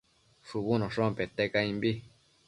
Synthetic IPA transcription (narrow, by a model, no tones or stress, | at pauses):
ʂuβunõʂõpet̪ekaĩmbi